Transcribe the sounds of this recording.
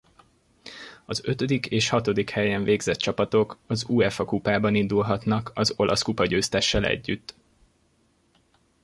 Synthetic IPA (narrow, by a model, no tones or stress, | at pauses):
ɒzø̞t̪ø̞d̪ikeːʃhɒt̪o̞d̪ikhɛjɛɱveːɡzɛt̪t͡ʃɒpɒt̪o̞kɒzuːɛfɒkupaːbɒnind̪ulɦɒt̪nɒkɒzo̞lʔɒ̰skupɒɟøːst̪ɛʃːɛlɛ̰ɟːyt̪ː